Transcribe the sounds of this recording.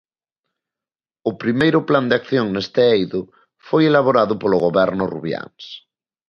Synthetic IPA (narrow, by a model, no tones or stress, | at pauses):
ʊpɾimejɾʊpland̪eakθjoŋnest̪eejðʊ | fojelaβ̞oɾaðʊpolʊɣoβɛɾnʊrṵβja̰ŋs